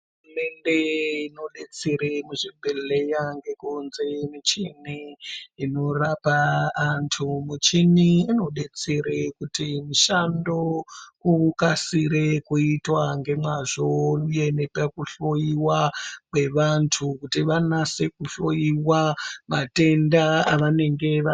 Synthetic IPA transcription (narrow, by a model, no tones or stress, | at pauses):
uume̞nde̞ino̞ɗe̞t͡seɾemuʐibʱeɮejaŋɡe̞kunze̞mit͡ʃiniː | no̞rapaːntʰumut͡ʃiniːno̞ɗe̞t͡seɾekutimiʃando̞kukasiɾekuitwaŋɡe̞mwaʐo̞uje̞nepekuɬojiwakwe̞ʋantʰukutiʋanasekuɬojiwamate̞ndaaʋane̞ŋɡe̞ʋa